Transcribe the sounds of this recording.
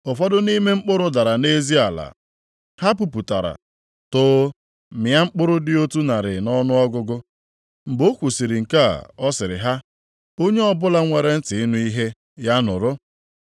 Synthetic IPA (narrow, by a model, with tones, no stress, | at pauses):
ʊ˨fɔ˦dʊ˦ni˦me˦ŋ͡m̩˦k͡pʊ˦ɾʊ˦da˨ɾa˨ne˦zi˦a˨la̰˨ | ha˦p̬u˨pu˨ta˨ɾa̰˨ | tʊː˦ | mja˦ŋ͡m̩˦k͡pʊ˦ɾʊ˦dɪ˦o˦tu˦na˨ɾɪ˨nɔ˦nʊ˦ɔ˦ɡʊ˦ɡʊ˦ | m̩˨bo˦kʷu˨si˨ɾɪ˨ŋ̩˨ka̰˦˨ɔ˦sɪ˨ɾɪ̰˨ɦa˦ | o˦ɲe˦ɔ˦bʊ˦la˦ŋʷe˨ɾe˦n̩˦tɪ˨ɪ˦nu˦i˦ɦe˦ | ja˦nʊ˨ɾʊ˦